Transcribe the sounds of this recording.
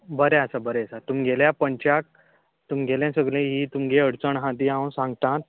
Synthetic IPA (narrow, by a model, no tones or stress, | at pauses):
bəɾeasabəɾesat̪umɡʱeljapəɲt͡ɕak̚ | t̪umɡʱeljɛ̃səɡɭẽɦiːt̪umɡeəɽt͡səɳɦãt̪̬iãsãŋɡt̪ãt̪̚